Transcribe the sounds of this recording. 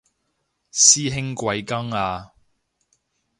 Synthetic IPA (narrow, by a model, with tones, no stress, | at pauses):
siː˥ɦɪ˥ŋkʷɐ˨˧jkɐ˥ŋaː˧